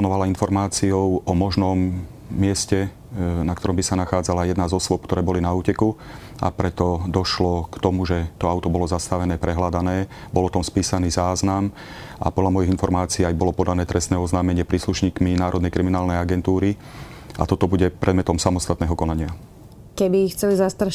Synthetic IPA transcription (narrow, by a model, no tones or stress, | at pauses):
ɔnɔʋalainfɔɾmaːt͡siɔʊʔɔmɔʒnɔmː | ɪɛscɛ | nak̚t̪ɔɾɔmbisanaxaːd͡zalajɛd̪nazɔswɔp̚kt̪ɔɾɛːbɔlinauːcɛku | a̰pɾɛt̪ɔd̪ɔʃlɔkt̪ɔmuʒɛt̪ɔaʊt̪ɔbɔlɔzast̪aʋɛnɛːpɾɛɦlad̪anɛː | bɔlt̪ɔmspiːsaniːzaːznam | ʔa̰pɔd̪lʎamɔjiɣinfɔɾmaːt͡siːajbɔlɔpɔd̪anɛːt̪ɾɛst̪nɛːɔznaːmɛɲɪɛpɾiːsluʃɲiːkminaːɾʔɔd̪nɛjkɾiminaːlnɛjaɡɛnt̪uːɾi | a̰t̪ɔt̪ɔbuɟɛpɾʔɛd̪mɛt̪ɔmsamɔst̪at̪nɛːɦɔkɔnaɲɪa | kɛbixt͡sɛlizast̪ɾa